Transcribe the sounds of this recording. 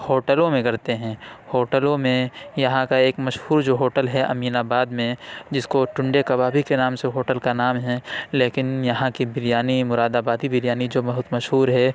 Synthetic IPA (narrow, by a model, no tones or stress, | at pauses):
hoːʈəlõmẽkɐɾt̪eɦɛ̃ːhoːʈəlõmẽjɐɦãkaeːkmɐʃhuːɾd͡ʒoːɦoːʈəlɦɛʔɐ̰miːnaːbaːd̪mẽd͡ʒɪskoʈʊ̃ɳɖekɐbaːbʱikenaːmseɦoːʈəlkanaːmɦɛ̃leːkɪnjɐɦãkibɪɾijaːnimʊɾaːd̪aːbaːd̪ibɪɾjaːnid͡ʒoːbɐɦʊt̪mɐʃɦuːɾɦɛ